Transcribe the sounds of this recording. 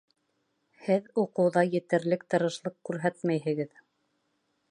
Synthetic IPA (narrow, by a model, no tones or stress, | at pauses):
hɘðuqɤ̆wðɑjɘ̆t̪ɘ̆ɾlɘkt̪ɤ̆ɾɤ̆ʃlˠɤqkːʉɾɦæt̪mæjɦɘ̆ɡɘð